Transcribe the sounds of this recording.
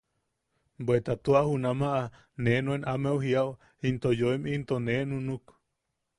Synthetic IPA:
bwet̪at̪uahunamaʔa | nenuenʔamewɦiaw | int̪ojoimint̪onenunuk

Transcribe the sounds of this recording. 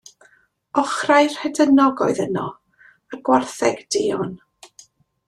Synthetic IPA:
ɔχrajr̥hɛdənɔɡɔɨðənɔ | əɡwarθɛɡd̥eːɔn

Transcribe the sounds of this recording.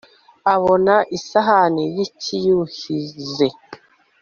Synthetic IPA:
aβonaʔisaɦanijicʰijuhize

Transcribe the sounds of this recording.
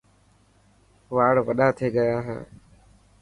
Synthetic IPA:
ʋaːɽʋəɗaːt̪ʰeːɠəjaːɦḛː

